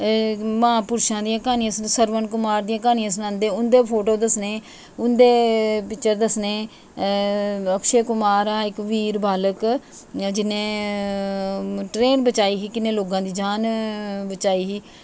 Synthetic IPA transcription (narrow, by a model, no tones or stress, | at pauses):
maːpʊɾʃãːd̪ijãːkaːniãːsnsəɾʋənkʊmaːɾd̪ijãːkaːnɪjãːs̬nãːnd̪ẽːʊnd̪eːpʰoːʈoːd̪əsneː | ʊnd̪eːpɪt͡ʃəɾd̪əsneː | əkʃeːkʊmaːɾaːɪkʋiːɾbaːlək | d͡ʒɪnːẽː | ʈɾeːnbət͡ʃaːiːɦiːkɪneːloːɡãːd̪iːd͡ʒaːnbət͡ʃaːiːɦiː